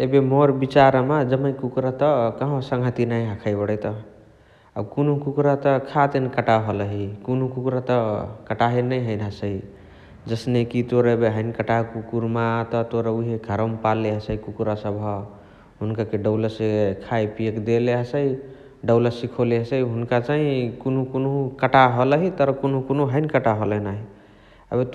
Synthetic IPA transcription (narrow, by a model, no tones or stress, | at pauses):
ebemoɾbit͡ʃaɾmad͡ʒəməjkukɾət̪əkəɦõsəŋɡʱət̪inajɦəkʰajbəɽəjt̪ə | a̰bkunukukɾat̪əkʰat̪ənkəʈaɦoləɦikunukukɾat̪əkəʈaɦenəjɦəjnɦəsəj | d͡ʒəsnekit̪oɾebeɦəjnkəʈakukuɾmat̪ɔt̪oɾəuɦeɡʱəɾəmpalːeɦəsəikukɾasəbʱɦɔ | ɦunkakeɖəwləsekʰajpiekd̪eleɦəsəj | ɖəwləsikʰoleɦəsəjɦunkat͡ʃaɦĩkunukonkəʈaɦoləɦit̪əɾkonukonuɦənkəʈaɦolənaɦi | ə̰bet̪